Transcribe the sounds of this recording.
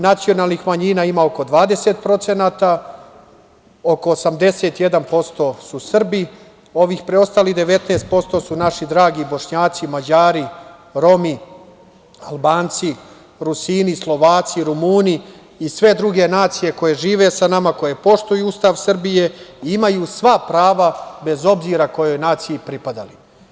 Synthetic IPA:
nat̪sio̞nalˠnixmaɲiːnaːimao̞ko̞d̪ʋaːd̪e̞set̪̚pɾo̞t̪se̞naːt̪a | o̞ko̞ːsamd̪e̞se̞t̪je̞d̪anpo̞st̪o̞ːsusr̩bi | o̞ʋiːxpɾeo̞st̪aːliɣd̪e̞ʋe̞t̪nest̪̚po̞st̪o̞ːsunaʃid̪ɾaːɡibo̞ʃɲaːt̪simad͡ʑaːɾi | ɾo̞mi | albaːnt̪si | ɾusiːnislˠo̞ʋaːt̪siɾumuːniː | sʋe̞d̪ɾuɡe̞naːt̪sije̞ko̞je̞ʒiːʋe̞sanamako̞je̞po̞ʂt̪ujuust̪aʋsr̩bije̞iimajuːsʋapɾaːʋabe̞zo̞bziːɾako̞jo̞jnaːt̪sijipɾipad̪ali

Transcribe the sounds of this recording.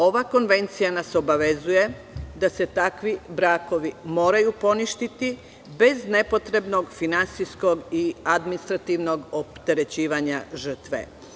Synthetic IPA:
o̞ʋako̞nʋe̞nt̪sijanaso̞baʋe̞zuje̞ | d̪ase̞t̪akʋibɾaːko̞ʋimo̞ːɾajupo̞niʃt̪it̪i | be̞zne̞po̞t̪ɾe̞bno̞ɡfinant̪sisko̞ɡiad̪minist̪ɾat̪iʋno̞ɡo̞pt̪e̞ɾe̞t͡ɕiːʋaɲaʒr̩t̪ʋḛ

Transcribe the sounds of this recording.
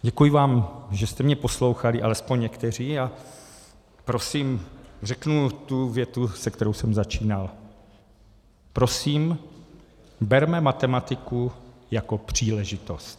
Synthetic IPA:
ɟɛkujɪvaːmʒɛst̪ɛmɲɛposlo̞wxalɪʔalɛspoɲɲɛkt̪ɛr̝iːa | pɾo̞simrɛknut̪uvjɛt̪usɛkt̪ɛɾowsɛmzat͡ʃiːnal | pɾo̞siːm | bɛɾmɛmat̪ɛmat̪ɪkujako̞pr̝̥iːlɛʒɪt̪o̞st̪

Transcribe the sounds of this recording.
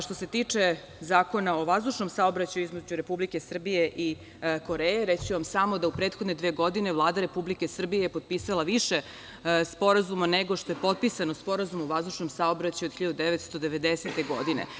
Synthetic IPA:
ʃt̪o̞se̞t̪iːt͡ʂe | zaːko̞naoʋazd̪uʃno̞msaobɾat͡ɕajuizmed͡ʑuɾe̞publike̞sr̩bije̞ʔi | ko̞ɾeːjeɾet͡ɕiʋamsamo̞d̪aupɾet̪xod̪ned̪ʋeːɡo̞d̪inevlˠaːd̪aɾe̞publikesr̩bijejepod̪̚piːsalaʋiʃe | spo̞ɾazumaneɡoʃt̪ojepo̞t̪̚pisanospo̞ɾazumoʋazd̪uʃnomsaobɾat͡ɕajod̪xçiʎad̪ud̪eʋet̪st̪o̞d̪eʋe̞d̪eset̪e̞ɡo̞̰d̪inḛ

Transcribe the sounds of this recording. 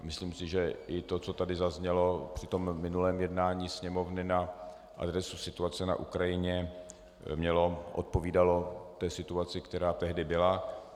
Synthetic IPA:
mɪsliːmsɪʒɛʔɪt̪o̞t͡so̞t̪adɪzazɲɛlo̞pr̥ɪt̪o̞mːɪnulɛːmjɛdnaːɲiːsɲɛmo̞vnɪna | ʔa̰d̪ɾɛsusɪt̪uat͡sɛna̰ʔukɾajɪɲɛ | mɲɛlo̞ʔo̰t̪̚po̞viːdalo̞t̪ɛːsɪt̪uat͡sɪkt̪ɛɾaːt̪ɛɦdɪbɪla

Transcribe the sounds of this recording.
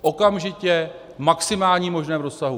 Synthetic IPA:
ʔo̞kamʒɪcɛ | maksɪmaːlɲimo̞ʒnɛːmɾo̞ssaɦu

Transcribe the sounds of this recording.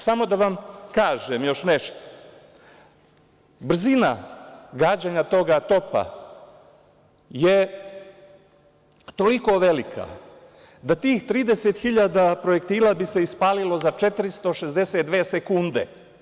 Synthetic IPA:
samo̞d̪aʋamkaːʒemjo̞ʃneʃt̪o̥ | br̩zina̰ɡaːd͡ʑaɲat̪o̞ɡat̪o̞pa̰ | je | t̪o̞liko̞ʋelikʰa̰ | d̪at̪iːxt̪ɾiːd̪eset̪xiʎad̪apɾo̞jekt̪iːlaːbise̞ispaːlilo̞zat͡ʃet̪ɾist̪o̞ʃe̞zd̪e̞set̪d̪ʋeːsekund̪ḛ

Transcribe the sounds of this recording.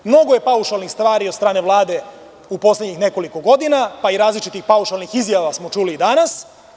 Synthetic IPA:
mno̞ɡoje̞pauʃalnixst̪ʋaːɾiod̪st̪ɾaːne̞ʋlˠaːd̪e̞ | upo̞slʲed̪ɲixne̞ko̞liko̞ɡo̞d̪inapaiɾaːzlit͡ʃit̪ixpauʃalnixizjaʋasmo̞t͡ʃuːliːd̪anas

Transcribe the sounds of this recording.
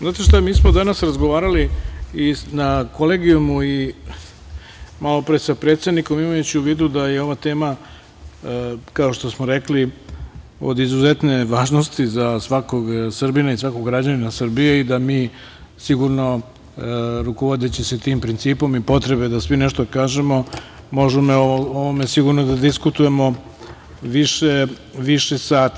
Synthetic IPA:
znaːt̪eʃt̪amiːsmod̪anasɾazɡoʋaːɾaliinakoleːɡijumui | malo̞pɾesapɾe̞ːt̪se̞d̪niko̞mimajut͡ɕiuʋiːd̪ud̪ajeo̞ʋat̪e̞ːma | kao̞ʃt̪o̞smoɾekli | o̰d̪izuzet̪ne̞ʋaːʒnost̪izasʋako̞ɡsr̩binaisʋakoɡɾad͡ʑaninasrbijeid̪amiː | siɡuɾno̞ | ɾukoʋod̪et͡ɕiset̪iːmpɾint̪siːpo̞mipo̞t̪ɾe̞be̞d̪asʋineʃt̪okaːʒe̞mo̞ | mo̞ʒemeooʋome̞siɡuɾnod̪ad̪iskut̪uje̞mo̞ | ʋiʃe | ʋiʃesaːt̪

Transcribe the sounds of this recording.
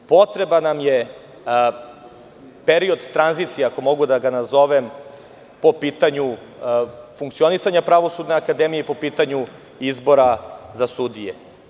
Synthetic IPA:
po̞t̪ɾe̞banamje̞ | peɾio̞d̪t̪ɾanzit̪sijeako̞mo̞ɡud̪aɡanazo̞ʋem | po̞piːt̪aɲu | fuŋkt̪sio̞nisaɲapɾaʋo̞sud̪neakad̪emijeipo̞piːt̪aɲu | izbo̞ɾazasud̪ije

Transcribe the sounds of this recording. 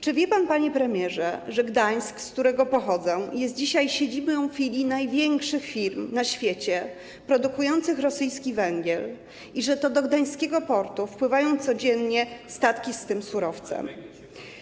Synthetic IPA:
t͡ʂɘvʲjɛpanpaɲɛpɾɛmʲjɛʐɛʐɛɡd̪aj̃skskt̪uɾɛɡɔpɔxɔd̪zɛjɛst̪̚d͡ʑiɕajɕed͡ʑibɔ̃w̃ffʲilʲinajvʲjɛŋkʂɘxfʲiɾmnaɕfʲjet͡ɕɛ | pɾɔd̪ukujɔnt̪sɘxɾɔsɘjskʲivɛŋɡʲjɛl | iʐɛt̪ɔd̪ɔɡd̪aj̃skʲɛɡɔpɔɾt̪ufpwɘvajɔ̃w̃t̪sɔd͡ʑɛnɲɛst̪at̪kʲist̪ɘmsuɾɔft̪sɛ̰m

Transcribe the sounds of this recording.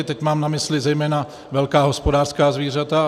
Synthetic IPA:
ɪt̪ɛcmaːmnamɪslɪzɛjmɛːna | vɛlkaːɦo̞spo̞daːr̥skaːzviːr̝at̪a

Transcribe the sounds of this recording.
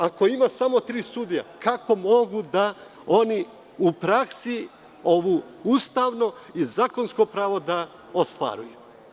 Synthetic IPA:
ako̞imasamo̞t̪ɾiːsud̪ija̰kako̞mo̞ɡud̪a | o̞ni | upɾaksi | o̞ʋu | ust̪aːʋno̞izaːko̞nsko̞pɾaːʋo̞d̪a | ost̪ʋa̰ːɾuju

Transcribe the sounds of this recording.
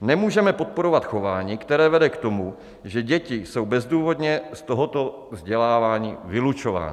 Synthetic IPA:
nɛmuːʒɛmɛpo̞t̪̚po̞ɾo̞vat̪xo̞vaːɲiːkt̪ɛɾɛːvɛdɛkt̪o̞mu | ʒɛɟɛcɪso̞wbɛzduːvo̞dɲɛst̪oɦo̞t̪o̞ | vzɟɛlaːvaːɲiːvɪlut͡ʃo̞va̰ːn

